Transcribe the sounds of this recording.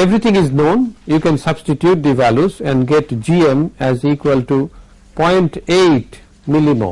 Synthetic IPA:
eʋɾit̪ʰɪ̃ŋɪznõːnjuːkɛ̃nsʌbsʈiʈjuːʈ̚d̪iʋæljuzɛ̃nɖɡeʈd͡ʒiẽmæziːkwəlʈu | pɔ̃ɪ̃ɳʈeːʈ | mɪlimo̰ː

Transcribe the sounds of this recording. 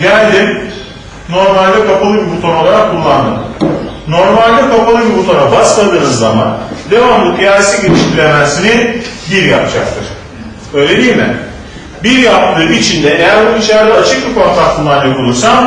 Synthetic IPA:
ɟælʲd̪im | no̞ɾmalʲd̪ɛkapalˠɯbibut̪ʰo̞no̞lˠaɾakʰːulˠːand̪ɯm | no̞ɾmalʲd̪ɛkʰapalˠɯbibut̪ʰoɾabasmˠad̪ɯːnɯzːama̰nd̪e̞vamlˠɯkjaɾsiɟelʲiʃt̪ʰiɾemæzsinibiɾjapd͡ʒak̚t̪ʰɯɾ̥ | ø̞jlʲed̪iːmɪ̰ | biɾjap̚t̪ʰɯːnit͡ʃʰind̪ɛʔejæɾbunuit͡ʃʰaɾd̪aːt͡ʃʰɯk̚bikʰo̞nt̪ʰak̚t̪ʰɯnd̪anjokʰulˠuɾsam

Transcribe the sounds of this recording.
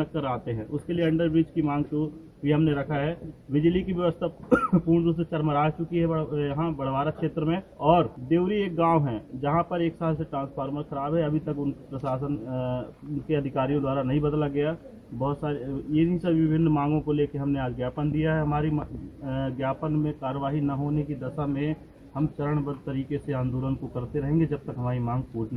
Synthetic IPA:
nəkkːəɾaːt̪eɦɛ̃ʔʊskelieɐ̃ɳɖəɾbɾiːt͡ʃkimãːŋɡt̪o | ʋiɦɐmneɾɐkʰaɦɛːʋɪd͡ʒlikiʋjɐʋəst̪ʰapuːɾɳd̪uːset͡ʃɐɾməɾaːd͡ʒt͡ʃʊkiɦɛjɐɦãbɐɽ̤ʋaːɾakʃeːt̪ɾəmẽɔːɾd̪eːʊɾieːk̚ɡãːwɦɛ̃ːd͡ʒɐɦãpɐɾeːksaːlseʈɾãːnspʰaːɾməɾxɐɾaːbɦɛɐbʱit̪ɐkʊnkpɾɐsaːsən | ʊnkeɐd̪ʱɪkaːɾijõd̪waːɾanɐɦĩbɐd̪laɡɐja | bɔːt̪saːɾejeɦĩsɐbʋɪbʱɪnːmãːŋɡõkoleːkeɦɐmneaːd͡ʒɡjaːpənd̪ijaɦɛɦɐmaːɾi | ɡjaːpənmẽkaːɾəʋaːɦinɐɦoːnekid̪ɐʃamẽ | hɐmt͡ʃɐɾəɽ̃bəd̪̚t̪ɐɾiːkeseãːnd̪uːɾənkokɐɾt̪eɾɐɦẽːŋɡed͡ʒɐb̚t̪ɐkɦɐmaːɾimãːŋɡkuːt͡ʃna

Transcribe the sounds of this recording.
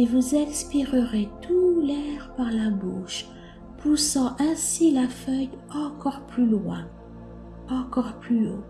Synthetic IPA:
evuzɛ̃kspiʁəʁet̪ʰulɛʁpaʁlabuʃ | pʰusɑ̃ʔɛ̃silafœjɑ̃kɔʁplylwɛ̰̃ | ɑ̃kɔʁplyo

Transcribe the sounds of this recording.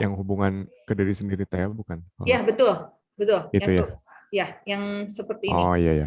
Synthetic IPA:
jaŋɦubuŋankədiɾisəndiɾit̪ajabukanɔ̰jabət̪ʊl | bət̪ʊliujajajaŋsəpərt̪iɔjaja

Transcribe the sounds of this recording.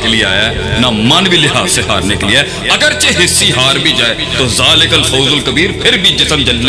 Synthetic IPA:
eliea̰ːjaɛ | nɐmɐnbʱilɪɦaːzseɦa̰ːɾnekeliɛː | ɐɡəɾt͡ʃeɦɪsːiɦaːɾbʱid͡ʒaːe | t̪ozaːlekəlfʰoːzʊlkəbiːɾpʰɪɾbʱid͡ʒɪsəmd͡ʒɐlne

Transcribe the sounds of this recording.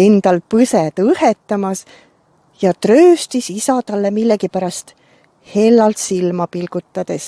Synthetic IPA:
e̞nd̪̥ɑlpɤset̪ɤhet̪ːˑɑmɑs | jɑt̪rø̞ːst̪isisɑt̪ɑlːe̞milːekipæɾɑst̪ | he̞lːɑlt̪silmɑpilɡ̥ut̪ːˑɑd̪̥e̞s

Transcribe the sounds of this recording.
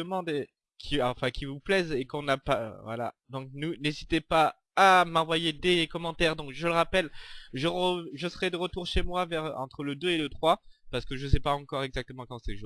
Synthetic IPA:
əmɑ̃d̪e | kʲʰiɑ̃fɛ̃kʲivuplɛzekɔ̃napavwa̰la̰d̪ɔ̃k̚nunezit̪epaː | mɑ̃vwajed̪ekɔmɑ̃t̪ɛʁd̪ɔ̃kʒələʁapɛlʒəʁəʒəsəʁɛd̪əʁət̪uʁʃemwavɛʁɑ̰̃t̪χələd̪øelət̪χwapaʁsə̥kəʒəsɛpaɑ̃kɔʁɛɡzak̚t̪əmɑ̃kɑ̃sɛʒu

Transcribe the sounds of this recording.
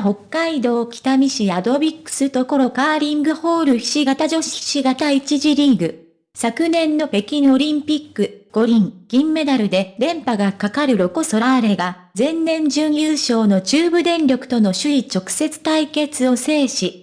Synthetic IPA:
ɦo̞kːaid̪o̞ːkʲi̥t̪amʲiɕijad̪o̞bʲikːɯ̟̥sɨt̪o̞ko̞ɾo̞kaːɾʲĩŋɡɯ̟ho̞ːɾɯ̟çʲi̥ɕiɡat̪aʑo̞ɕi̥i̥ɕiɡat̪ait͡ɕiʑiɾʲiɡɯ̟ | sakɯ̟nẽ̞nːo̞pe̞kʲino̞ɾʲĩmpʲikːɯ̟ɡ̥o̞ɾʲĩŋɡ̥ʲĩmːe̞d̪aɾɯ̟d̪e̞ɾẽ̞mpaɡakakaɾɯ̟ɾo̞ko̞so̞ɾaβaɾe̞ɡa | zẽ̞nːẽ̞ɲ̟d͡ʑɨɲɯːɕo̞ːno̞t͡ɕɨːbɯ̟d̪ẽ̞nɾʲo̞kɯ̟̥t̪o̞no̞ɕɨit͡ɕo̞kɯ̟̥se̞t͡sɨ̥t̪aike̞t͡sɨo̞se̞ːɕi

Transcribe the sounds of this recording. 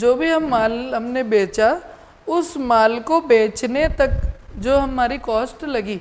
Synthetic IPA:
d͡ʒoːbʱiɦɐmːaːlɦɐmnebeːt͡ʃa | ʊsmaːlkobeːt͡ʃnet̪ɐkd͡ʒoːɦɐmːaːɾikɔːsʈlɐɡiː

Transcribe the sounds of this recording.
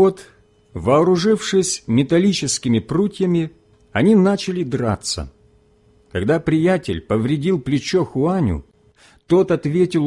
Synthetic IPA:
ot̪ | vɐːɾʊʐɨfʂɨsʲmʲɪt̪ɐlʲit͡ɕɪskʲɪmʲɪprutʲjəmʲɪ | ɐnʲinat͡ɕɪlʲɪd̪ɾa̰t̪sə̰ | kɐɡd̪apɾʲɪjatʲɪ̰lʲpəvɾʲɪdʲilˠplʲɪt͡ɕoxʊanʲʊ̰ | t̪o̞t̪ɐt̪vʲetʲɪlˠ

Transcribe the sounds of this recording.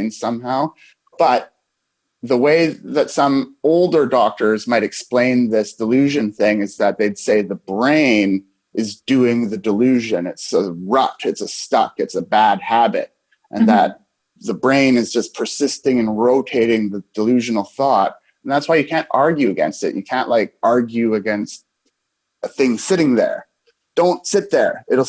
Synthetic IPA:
nsʌ̃mɦaʊ | b̥ʌt̪̚ | ðəweɪðɨtsʌ̃moʊlˠdə˞dɔk̚tə˞zmaɪɾɨksplẽɪ̃nðɪsd̥əlʉʒɨ̃nθɪ̃ŋɨzðɨt̪̚ðeɪd̥seɪðəbɹẽɪ̃n | ʔɨzdʉɪ̃ŋðɨdəlʉʒɨ̃nɨtsəɹʌp̚tʰɨtsəstʌ̰kɨtsəbæd̚hæbɨ̰ɾ̚ | ʔɨ̰̃nðət̪̚ | ðəbɹẽɪ̃nɨzd͡ʒʌspʰə˞sɪstɪ̃ŋɨ̃nɹoʊtʰeɪɾɪ̃ŋðɨd̥əlʉʒɨnl̩ˠθɔt̚ | n̩ðætswaɪjɨkʰæ̃ntɑɹɡjʉɨɡɛ̰̃nstɨ̰ʔjʔɨ̰kʰæ̃nʔlaɪk̚ʔɑɹɡjʉɨɡɛ̃nst̚ | əθɪ̃ŋsɪɾɪ̃ŋðə̰˞ | d̥õʊ̃ntsɪt̪̚ðə˞ɪɾl̩ˠ

